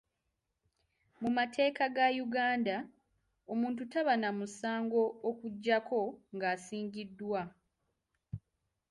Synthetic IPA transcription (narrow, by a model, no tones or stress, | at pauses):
mumatʰe̞ːkaɡajuɡaːnda | o̞muːntutaβanamusaːŋɡo̞ːkuɟːako̞ŋɡaːsiːɲɟidːwa